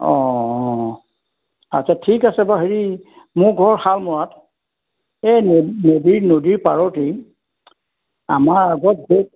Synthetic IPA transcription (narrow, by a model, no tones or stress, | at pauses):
ɔ̃ | at͡ʃʰatʰikasɛbaɦeɹi | mʊɹɡʱɔɹxalmɔɹat | enodiɹnodiɹpaɹɔti | a̰maɹaɡɔt̚ɡe